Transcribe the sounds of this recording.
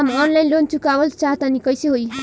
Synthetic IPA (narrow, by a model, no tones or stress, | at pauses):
mʌnlajnlont͡sukawʌlt͡saɦt̪anikʌjsiɦoj